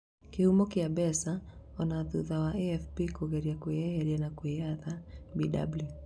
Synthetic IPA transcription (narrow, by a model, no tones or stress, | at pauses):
kihumɔkiabɛsa | ɔnaðuðawaʔɛɛfpikɔɣɛɾiakweajaɾianakweaðabida̰blju